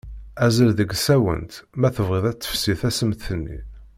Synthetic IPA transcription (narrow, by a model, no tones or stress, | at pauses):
æzəlðəɡsæwə̰nt̪mæθəvʁiðˤæt͡sːə̥fsiθæsəmt̪θənːḭ